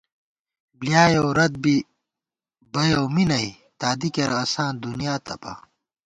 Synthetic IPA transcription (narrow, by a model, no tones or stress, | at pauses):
blijaːjowɾɐd̪̚bi | bɐjowminɐi | t̪aːd̪ikɐɾɐsãːnd̪unijaːt̪ɐpa̰ː